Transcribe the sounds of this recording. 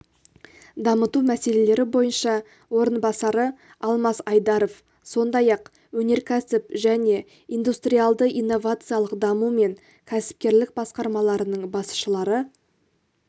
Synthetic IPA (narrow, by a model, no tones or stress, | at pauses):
d̪ɑmət̪umæse̞le̞le̞ɾɪbo̞jənʃɑ | wo̞ɾənbɑsɑɾə | ɑlˠmɑsɑjd̪ɑɾo̞f | so̞nd̪ɑjɑq | wɵne̞ɾkʲʰæsɪpʒæne̞ | ijnd̪ust̪rijalˠd̪əʔijnːo̞vat̪sɨjɑlˠəqd̪ɑmume̞ŋ | kʲʰæsɪ̥p̚kʲe̞ɾlɪk̚bɑsqɑɾmɑlˠɑɾənəɴbɑsʃəlˠɑɾə